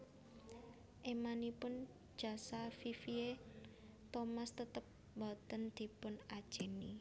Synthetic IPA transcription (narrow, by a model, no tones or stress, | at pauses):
ʔemanipʊn̥ | ʒ̥a̤safifie | t̪omast̪ət̪əp̚ | bɔt̪ənd̪̥i̤pʊnad̥ʒ̥e̤ni